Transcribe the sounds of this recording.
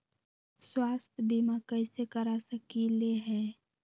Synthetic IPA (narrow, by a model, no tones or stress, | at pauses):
swaːst̪ʰbimakəɪsekəɾasəkileɦɛː